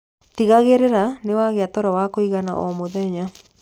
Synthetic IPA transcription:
tiɣaɣeɾeɾanewaɣeatɔɾɔwakoiɣana̰ʔɔmoðɛɲa

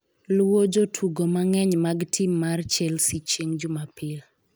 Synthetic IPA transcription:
lwod͡ʒotʰuɡomaŋɛɲmaɡtʰɪmːart͡ʃɛlsit͡ʃeŋd͡ʒʊmapɪl

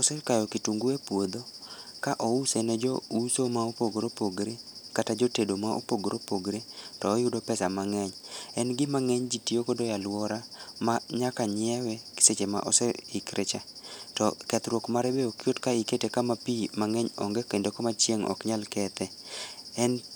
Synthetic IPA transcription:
ɔsɛkajɔkituŋɡuepwod̪okaʔɔusenɔd͡ʒɔusomaopoɡɾopoɡɾekatad͡ʒotedomaʔo̰poɡɾʔopoɡɾetɔːjʊdopɛsamaŋɛɲɛnɡɪmaŋɛɲd͡ʒitiokɔdɔjalwɔɾamaɲakaɲɪɛwɛkɪ̥set͡ʃema̰ʔɔsɛikɾʔet͡ʃatɔkɛt̪ɾwokmaɾebeokjotkaiketekamapimaŋɛɲɔ̰ŋɡɛkendokɔmat͡ʃjeŋɔ̰kɲalkɛt̪ɛɛn

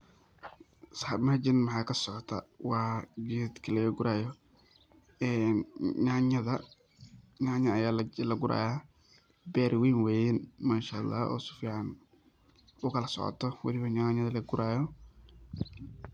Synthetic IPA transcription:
sħarmad͡ʒɪnmɐħɑːkʰɐsɔʕɔt̪ʰɐ̰wɑːɡɛːd̪kʰɐlɐɣɐɡʊɾaːjɔ | ɛːnɲaɲɐðɐ | ɲaːɲɐɐjaːlɐɡʊɾʔa̰ːjaː | bɛːɾwiːnwɛːjɪnmaːʃaʔɑlˤːɑ̰ːɔ̰ːsʊ̥fiːʕɑn | ʊkʰɐlɐsɔ̰ʕɔ̰t̪ʰɔwɐlɪβɐɲaɲɐðɐlɐɡʊɾʔaːjɔ

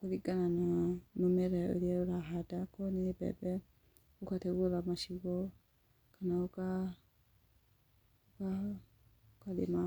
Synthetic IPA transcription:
kuðiɡanananomɛɾɛo̰ɾiɛoɾaɦadakɔniebɛ̰bɛ | ukatɛɡoɾamaʃiβɔ | kʰanauka | uka | kalḛma

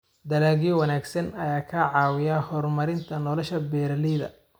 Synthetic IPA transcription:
d̪ɐlaːɣijwɐnaːɡsɐnɐjaːkʰɐʕɑːwɪjahɔrmɐɾɪnt̪ʰɐnɔlɔʃɐbɛːɾɐliːðɐ̰

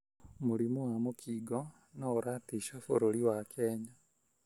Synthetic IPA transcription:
muɾimuwamokʰiːɡɔ | naːɾaːtiʃafoɾoɾiwakʰɛːɲa

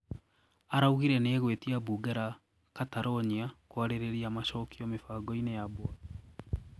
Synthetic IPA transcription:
aɾauɣiɾɛneːɣwetiabuːɡɛɾa | kataɾɔɲiakwaɾeɾeɾiamaɕɔkʰiɔmefaːɡɔinejabwa

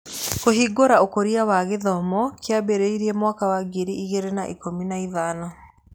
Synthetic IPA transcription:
koɦiɡoɾaokoɾiawaɣeðɔmɔkjabeɾeiɾiemwakawaɡiɾiʔiɣeɾenaʔikominaiðaːnɔ

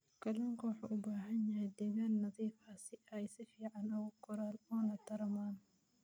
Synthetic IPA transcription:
kʰɐlɔŋkʰɐwʊħa̰ʔʊbaːɦɐnjɐhɛd̪ɛːɣaːnːɐðiːfaːsɪɛjsɪfiːʕɑnɐwʊkʰʊɾaːlɔːnɐt̪ʰɐɾɐmaːn

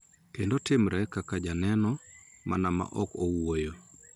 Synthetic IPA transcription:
kendotɪmɾʔɛkakad͡ʒanɛnɔma̰nama̰ʔɔkowojo

